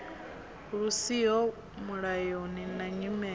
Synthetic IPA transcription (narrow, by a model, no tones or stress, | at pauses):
ɺusiɔ | muɺajɔninaɲimɛ